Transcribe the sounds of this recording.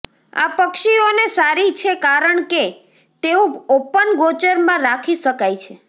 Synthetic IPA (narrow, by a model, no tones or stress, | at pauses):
a̰pəkʃionesaɾit͡ʃʰekaɾəɳke | t̪eũopənɡot͡ʃəɾmãɾakʰiʃəkajt͡ʃʰe